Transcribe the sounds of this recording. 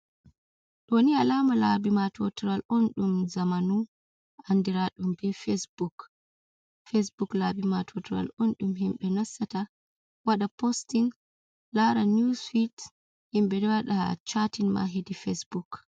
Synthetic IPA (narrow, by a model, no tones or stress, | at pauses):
ɗonialamalabimatɔtɾalʔonɗumzamanu | andiɾaɗumbɛfesbuk | fes̬buklabimatʰɔtɾa̰lonɗumɦimɓɛnasːata | waɗapostin | laɾanusfit | himbɛdɛwaɗat͡ʃatinma̰ɦedifesbuk